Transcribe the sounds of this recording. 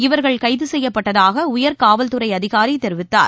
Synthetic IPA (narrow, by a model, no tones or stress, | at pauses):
ɪʋɐɾɣɐɭkɐɪðɯsɛjːɐpːɐʈːɐðaːɣɐʊjɐɾkaːʋɐlt̪ɯɾɐɪɐðɪɣaːɾit̪ɛɾɯʋɪt̪ːa̰ːɾ